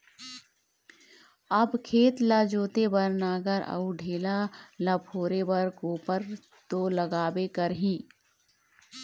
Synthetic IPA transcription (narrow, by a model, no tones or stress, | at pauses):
ɐbkʰeːt̪laːd͡ʒoːt̪ebəɾnaːɡəɾə̰uɖʱeːlalapʰoːɾebɐɾkoːpəɾ | t̪olɐɡaːbekəɾɦĩː